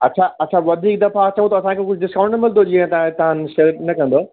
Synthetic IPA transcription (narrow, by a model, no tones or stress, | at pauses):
ɐtːɕʰaɐtːɕʰaʋɐd̪ʱiːk̚d̪ɐfat͡ɕɐʋũt̪ɐɐsãkʰekʊd͡ʑʱɖɪskãʊ̃ɳʈnɐmɪl̃nd̪od͡ʑiːãɦt̪ãt̪ɐɦãnʃeːɾnɐkɐ̃nd̪oː